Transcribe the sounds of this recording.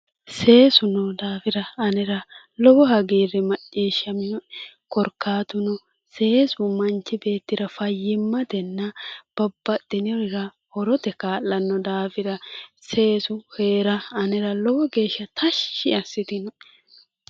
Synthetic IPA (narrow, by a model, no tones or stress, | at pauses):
se̞ːsʊnɔd̪aːfɪɾɐːnɛɾɐ | lɔbɔɦɐɡiːɾɛmɐt͡ʃʼːiːʃːɐmɪɔ | kɔɾkːaːt̪ʊnɔ | se̞ːsʊmɐnt͡ʃːɪbe̞ːt̪ːɪɾɐfɐjːɪmːɐd̪ɛnːɐb̥ɐbːɐt̪ʼːɪnɪɾɪɾɐ | hɔɾɔt̪ɛkaːlːɐnːɔd̪aːfɪɾɐse̞ːsʊhe̞ːɾɐɐnɛɾɐlɔbɔɡe̞ːʃːɐt̪ʰɐʃːɪɐsːɪt̪ɪnɔ